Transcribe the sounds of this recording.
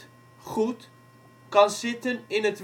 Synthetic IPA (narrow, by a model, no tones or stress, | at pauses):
χut | kɑnsɪtənɪnətʋ